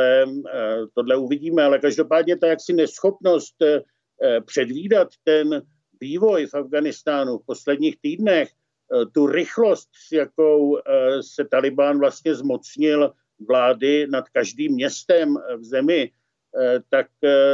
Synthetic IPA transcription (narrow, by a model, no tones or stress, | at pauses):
ɛ | t̪o̞dlɛuvɪɟiːmɛalɛkaʒdo̞paːdɲɛt̪ajaksɪnɛsxo̞pno̞st̪ | pr̝̥ɛdviːdat̪ːɛn | viːvo̞jfavɡanɪst̪aːnufpo̞slɛdɲiːxt̪iːdnɛx | t̪uɾɪxlo̞st̪sjakowsɛt̪alɪbaːnvlast̪ɲɛzmo̞t͡sɲɪl | vlaːdɪnat̪kaʒdiːmːɲɛst̪ɛmvzɛmɪ | t̪ak̚